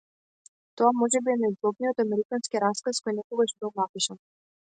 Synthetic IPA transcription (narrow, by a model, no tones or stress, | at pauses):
t̪ɔamɔʒɛbiɛnaizvˠɔb̪̚nijɔt̪amɛɾikanskiɾaskaskɔjnɛkɔɡaʃbilˠnapiʃan